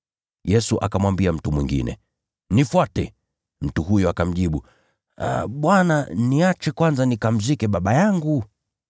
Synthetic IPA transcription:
jɛsuʔa̰kamwambiam̩tumwiŋɡḭnɛ̰ | nifwatɛ | m̩tuɦujɔakam̩ʄiɓṵ | ɓwananiat͡ʃɛkwanzanikam̩zikɛɓaɓajaŋɡu

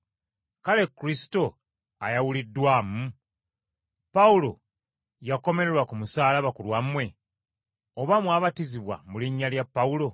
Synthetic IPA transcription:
kale̞kːuɾisto̞ | a̰jawulidːwaːmu | paulo̞ | jako̞me̞ɾe̞ɾwakumusaːlaβakulwamwe̞ | oβamwaːβatiziβwa̰muliɲːaljapːaulo̞

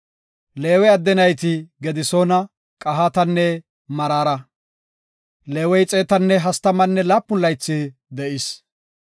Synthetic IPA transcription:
le̞ːwɛɐd̪ːɛnɐjt̪ɪɡɛd̪ɪsoːnɐ | kʼɐɦat̪ɐnːɛ | mɐɾaːɾɐ | le̞ːwɛjt͡sʼe̞ːt̪ɐnːɛɦɐst̪ɐmɐnːɛlaːpːʊnlɐjt͡sːɪd̪ɛʔɪs

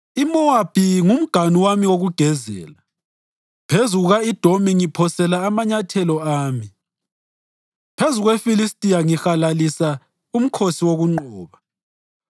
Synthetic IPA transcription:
imɔwab̥ʱiŋum̩ɡ̥ʱanuwamiwoɣuɡ̥ʱɛzɛ̰ːla | pʰezuɣuɣaid̥ʱomiŋipʰɔsɛlaːmaɲatʰɛlɔaːmi | pʰezuɣwefilistʼiaŋixalalisa | um̩kʰosiwoɣuŋ͡ǃɔːβa

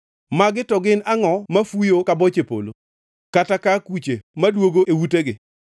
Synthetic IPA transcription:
maɡɪtɔɡɪnaŋɔmafujokabɔt͡ʃepo̰lo̰ | katakakut͡ʃemadwoɡoʔewuteɡɪ

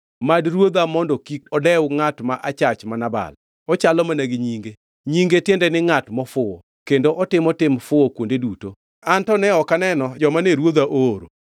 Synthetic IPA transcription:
madɾwod̪amɔndɔkikɔdɛwŋatmaʔat͡ʃat͡ʃmanaba̰l | ɔt͡ʃalɔmanaɡɪɲiŋɡe | ɲiŋɡetjendɛnɪŋatmɔfʊɔ̰ | kendoʔɔtɪmɔtɪmfʊokwondeduto | antɔnɛɔkanɛnɔd͡ʒɔmaneɾwod̪aʔoɾo̰

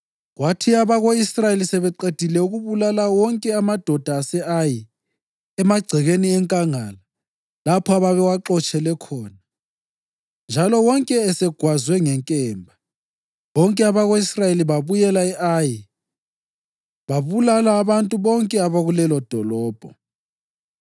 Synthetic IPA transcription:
ɣwatʰiaβaɣoisrajelisɛβɛǃed̥ʱilɛuɣuβulalawɔŋkʼɛamad̥ʱɔd̥ʱaːsɛaji | ɛmaɡ͡ǀʱiɣeniɛŋkʼaŋala | lapʰɔaβaβɛwaǁɔt͡ʃʼɛlɛkʰɔːna | nd͡ʒʱalɔwɔŋkʼɛːsɛɡ̥ʱwazwɛŋɛŋkʼɛːmbʱa | βɔŋkʼɛaβaɣoisrajeliβaβujɛlaɛʔaji | βaβulalaːβantʼuβɔŋkʼɛaβaɣulɛlɔd̥ʱɔlɔːb̥ʱɔ

